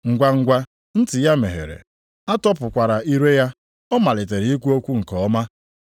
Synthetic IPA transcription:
ŋ̩˨ɡʷa˦ŋ̩˦ɡʷa˦ | n̩˦tɪ˨ja˦me˨ɦḛ˨ɾḛ˨ | a˦tɔ˦pʊ˨kʷa˨ɾa˨i˦ɾe˦ja˦ | ɔ˦ma˨lɪ˨te˨ɾi˨˦i˦kʷu˦o˦kʷu˦ŋ̩˨kɔ˨ɔ˦ma˦

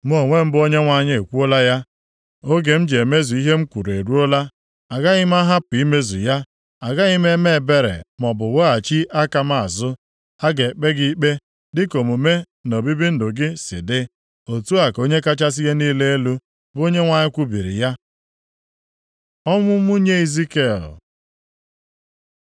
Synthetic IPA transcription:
m˦o˦˨ŋʷe˦m̩˦bo˦ɲe˦ŋʷa˨ɲɪ˦e˨kʷu˦o˦la˦ja˦ | o˦ɡe˨m̩˦d͡ʒe˨me˦zu˨i˦ɦe˦ŋ͡m̩˦kʷu˨ɾe˨ɾu˦o˦la˦ | a˨ɡa˦ɣɪ˦m̩˦a˦ɦa˦pʊ˨i˦me˦zṵ˨ja˦ | a˨ɡa˦ɣɪ˦me˦me˦˨be˦ɾḛ˨mɔ˨bʊ˨wo˦a˨t͡ʃi˦ʔa˦ka˨m˦˨a˨zʊ˦ | a˦ɡe˨k͡pe˦ɡi˦k͡pe˦ | dɪ˦ko˨mu˨me˦ | no˨bi˦bi˦n̩˦dʊ˨ɡɪ˦sɪ̰˨dɪ˦ | o˨tu˦a˨ko˦ɲe˦ka˦t͡ʃa˦s̬i˦ɣe˦niː˦le˦e˦lu˦ | bo˦ɲe˦ŋʷa˨ɲɪ˦kʷu˦bi˨ɾḭ˨ja˦ | ɔ˦mʊ˦mu˦ɲe˦i˨zi˦ke˦˨l

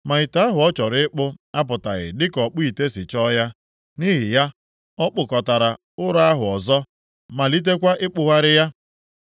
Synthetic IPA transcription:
ma˨ɪ˨ta˨˦ɦʊ˨ɔ˦t͡ʃɔ˨ɾɪ˦ɪ˦k͡pʊ˦a˦pʊ˨ta˨ɣɪ̰˨dɪ˦kɔ˨k͡pʊ˦i˨te˦sɪ˨t͡ʃɔ˦ja˦ | ni˦ɦɪ˨ja˦ | ɔ˦k͡pʊ˨kɔ˨ta˨ɾa˨ | ʊ˦ɾa˦ɦʊ˨ɔ˨zɔ˦ | ma˨li˦t̬e˦kʷa˦ʔɪ˦k͡pʊ˨ɦa˦ɾɪ˦ja˦

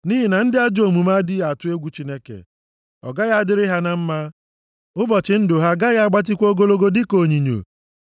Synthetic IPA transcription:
ni˦ɦi˨na˨n̩˦dɪ˦a˦d͡ʒo˨mu˨ma˦dɪ˦a˨tʊ˦e˦ɡʷu˨t͡ʃi˦ne˦kḛ˨ | ɔ̰˨ɡa˦ja˦a˦dɪ˦ɾɪ˦ɦa˦na˨m̩˦ma˦ | ʊ˦bɔ˨t͡ʃɪ˨n̩˦dʊ˨ɦa˦ɡa˦ja˦a˦ɡ͡ba˦t̬ɪ˦kʷo˦ɡo˦lo˦ɡo˦dɪ˦ko˨ɲi˨ɲo̰˨

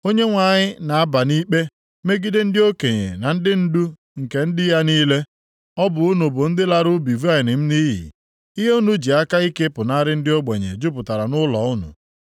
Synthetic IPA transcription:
o˦ɲe˦ŋʷa˨ɲɪ˦na˨a˦ba˨ni˦k͡pe˦ | me˦ɡi˦de˦n̩˦dɪ˦o˦ke˨ɲḛ˨na˨n̩˦dɪ˦n̩˦du˦ | ŋ̩˨ke˨n̩˦dɪ˦ja˦niː˦le˦ | ɔ˦bʊ˨u˦nu˨bʊ˨n̩˦dɪ˦la˦ɾʊ˦bi˨va˦ɪ˨nɪ˨m̩˦ni˦ɦḭ˨ | i˦ɦe˦u˦nu˦d͡ʒi˨a˦ka˦i˦ke˦pʊ˨na˦ɾɪ˦n̩˦dɪ˦o˦ɡ͡be˨ɲḛ˨d͡ʒʊ˦pʊ˨ta˨ɾa˨nʊ˦lɔ˨˦ʊ˦nṵ˨

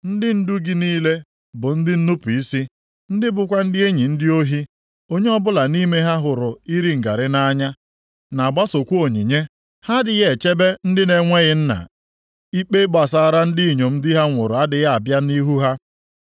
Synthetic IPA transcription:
n̩˦dɪ˦n̩˦du˦ɡi˦niː˦le˦ | bʊ˨n̩˦dɪ˦n̩˦nu˦pu˨i˦si˦ | n̩˦dɪ˦bʊ˨kʷa˦n̩˦dɪ˦e˦ɲi˨n̩˦dɪ˦o˦ɦi˦ | o˦ɲe˦ɔ˦bʊ˦la˨ni˦me˦ɦa˦ɦʊ˨ɾʊ˨i˦ɾi˨ŋ̩˨ɡa˨ɾɪ˦na˦ɲa˦ | na˨ba˦so˨kʷu˦o˨ɲi˨ɲe˦ | ha˦dɪ˨ɣe˦˨e˨t͡ʃe˦be˦n̩˦dɪ˦ne˨ŋʷe˦ɣɪ˦n̩˦na̰˨ | i˦k͡pe˦ɡ͡ba˨sa˨˦˨ɾa˦n̩˦dɪ˦i˨ɲo˨m̩˦dɪ˦ɦa˦ŋʷʊ˨ɾʊ˨a˦dɪ˨ɣa˦a˨bja˦ni˦ɦu˦ɦa˦

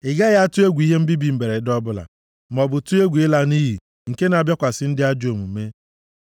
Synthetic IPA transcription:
ɪ˨ɡa˦ɣa˦a˦tʊ˦e˦ɡʷi˦ɦe˦m̩˦bi˦bi˨m̩˨be˨ɾe˨˦dɔ˦bʊ˦la̰˨ | m˨ɔ˨bʊ˨tu˦e˦ɡʷɪ˦la˦ni˦ɦi˨ | ŋ̩˨ke˦n˨a˨bja˦kʷa˨sɪ˦n̩˦dɪ˦a˦d͡ʒo˨mu˨me˦

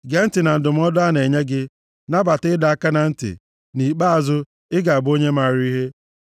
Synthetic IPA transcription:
ɡe˨˦n̩˦tɪ˨na˨n̩˨dʊ˨m̩˦ɔ˦dʊ˦a˦ne˨ɲe˦ɡɪ˦ | na˦ba˨tɪ˦da˨a˨ka˦na˨n̩˦tɪ̰˨ | ni˨k͡pa˦a˨zʊ˦ | ɪ˦ɡa˨a˨bo˦ɲe˦ma˦˨ɾi˦ɦe˦

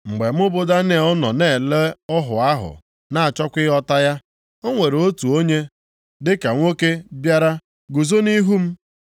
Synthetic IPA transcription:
ŋ͡m̩˨ɡ͡be˨m̩˦ʊ˦bʊ˦da˦ne˨ɔ˦nɔ̰˨ne˦˨le˦ɔ˦ɦʊ̰˨a˦ɦʊ̰˨ | na˨a˨t͡ʃɔ˦kʷɪ˦ɔ˦ta˦ja˦ | o˦ŋʷe˨ɾo˦tu˨o˦ɲe˦ | dɪ˦ka˨ŋʷo˦ke˦bja˦ɾa˦ | ɡu˨zo˦ni˦ɦu˦m̩˦

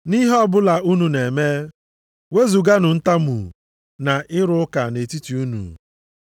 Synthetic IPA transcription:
ni˦ɦɔ˦bʊ˦la˨u˦nu˨ne˨me˦ | we˦zu˨ɡa˦nʊ˨n̩˦ta˦mṵ˨ | na˨ʔɪ˦ɾʊ˦ka˨ne˨ti˦ti˨u˦nṵ˨

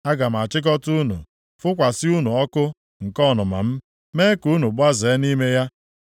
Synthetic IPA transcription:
a˦ɡa˨m̩˨a˨t͡ʃɪ˦k̬ɔ˦tu˦nṵ˨ | fʊ˦kʷa˨sɪ˦u˦nu˨ɔ˦kʊ˦ | ŋ̩˨kɔ˦˨nʊ˨ma̰˨m̩˦ | me˦ku˦nu˨ɡ͡ba˦ze˨˦ni˦me˦ja˦

